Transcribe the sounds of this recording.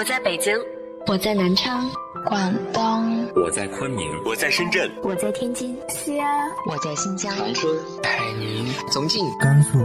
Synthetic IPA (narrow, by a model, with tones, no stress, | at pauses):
wɔ˨˩t͡sa˥˩ɪpe˨˩t͡ɕi˥ŋ | wɔ˨˩t͡sa˥˩ɪna˧˥nʈ͡ʂʰɑ˥ŋ | kwa˥˩nŋt̪ɑ˥ŋwɔ̰˨˩t͡sa˥˩ɪkʰwə˥nmḭ˧˥ŋwɔ˨˩t͡sa˥˩ɪʂə˥nʈ͡ʂə˥˩nwɔ˨˩t͡sa˥˩ɪt̪ʰjɛ˥nt͡ɕi˥˩n | ɕi˥a˥wɔ˨˩t͡sa˥˩ɪɕi˥˩nt͡ɕjɑ˥ŋɑ˧˥ŋʈ͡ʂʰə˥ŋ | pʰa˨˩ɪni˧˥nt͡sʊ˧˥ŋt͡ɕi˥˩ŋka˥nsu˥˩